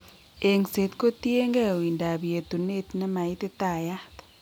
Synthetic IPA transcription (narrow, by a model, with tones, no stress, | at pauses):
e˨ŋse˨t̪ko˦t̪je˦ŋɡɛ˦˨i˨nda˨bje˨t̪u˨ne˦t̪na˦ma˨i˦t̪e˦t̪a˨ja˦t̪